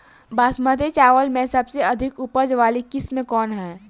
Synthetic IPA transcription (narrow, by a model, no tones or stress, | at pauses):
baːsmət̪et͡ʃaːʋəlmẽsɐbseɐd̪ʱɪkʊpəd͡ʒʋaːlikɪsmẽkɔːnɦɛː